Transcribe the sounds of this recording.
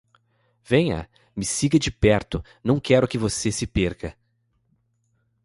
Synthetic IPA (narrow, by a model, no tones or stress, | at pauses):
vẽj̃ɐ̰ | mɪsiɡɐd͡ʒɪpɛɾt̪ʊ | nɐ̃w̃kɛɾʊkɪvosesɪpeɾkɐ